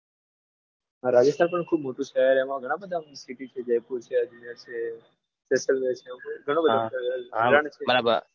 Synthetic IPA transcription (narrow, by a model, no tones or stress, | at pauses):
aɾad͡ʒəst̪ʰanp̬əɳkʰuːbmoʈũʃaɦaɾɛmãɡʱəɽ̃ãbəd̪ʱãsiʈit͡ʃʰed͡ʒəjpuɾt͡ʃʰead͡ʒinjat͡ʃʰe | spesəlʋet͡ʃʰemaɡʱəɽ̃õbədʱaiɾaɳt͡ʃʰebəɾabə̰ɾ